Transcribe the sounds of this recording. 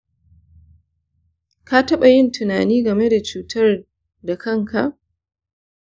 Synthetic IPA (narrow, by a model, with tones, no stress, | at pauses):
ka˦tɐ˦ɓa˨jɪ˦ntʰʊ˨naː˨niː˦ɡɐ˨me˦da˨t͡ʃuː˨tʰɐ˦r | da˨kɐ˦ŋkʰa˨ʔ